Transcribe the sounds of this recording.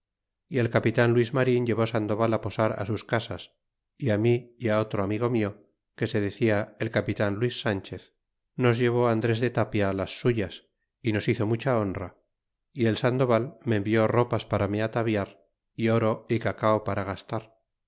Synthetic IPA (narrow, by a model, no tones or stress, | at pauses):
ie̞lkapit̪anlwizmaɾiɲʎe̞βo̞sand̪o̞βalapo̞saɾa̰suskasas | iamiːao̞t̪ɾo̞amiɣo̞mio̞ | ke̞se̞ð̞e̞θiae̞lkapit̪anlwisːant͡ʃeθ | no̞zʝe̞β̞o̞and̪ɾe̞zðe̞t̪apjaːlasːuʝas | ino̞siθo̞mut͡ʃao̞nra̰ | ie̞lsand̪o̞βalme̞mbio̞ro̞paspaɾameat̪aβjaɾ | ioɾo̞ikakaopaɾaɣ̞ast̪aɾ